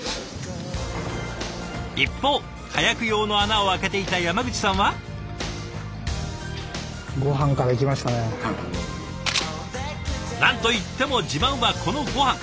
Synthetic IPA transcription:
ipːo̞ː | hajakɯ̟jo̞ːno̞anao̞ake̞t̪e̞it̪ajamaɡɯ̟t͡ɕi̥sãɰ̃βa | ɡo̞ɦãŋkad̪ekʲimaɕi̥t̪ane | nãnt̪o̞it̪ːe̞mo̞d͡ʑibãɰ̃βakʰo̞no̞ɡo̞hãŋ

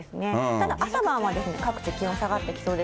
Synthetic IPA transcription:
esɨne̞t̪ad̪aʔasabãβad̪e̞sɨne̞kakɯ̟̥t͡ɕikʲĩõsaɡat̪ːe̞kʲi̥so̞ːd̪e

